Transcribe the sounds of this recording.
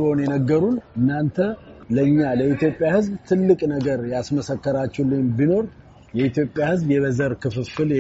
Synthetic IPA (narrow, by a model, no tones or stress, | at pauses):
honjɛnəɡːəɾunɨnːant̪ʰələɨɲːaləʔit̪ʰjo̞pʼːjahɨzbt̪ʰɨlːɨkʼnəɡəɾjasməsəkːəɾat͡ʃːulːɨnbino̞ɾ | jɛit̪jo̞pʼːjahɨzbjɛβəzəɾkʰɨfɨfɨlj